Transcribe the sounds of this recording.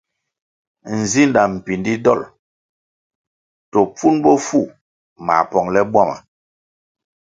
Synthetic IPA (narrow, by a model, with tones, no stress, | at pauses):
n̩˨zi˦nda˨m̩˨pi˨ndi˦dɔ̰˦˨l | tɔ˨p͡fu˦nbɔ˦fu˦˨ | ma̰˨pɔ˨ŋlɛ˦bwa˦ma̰˨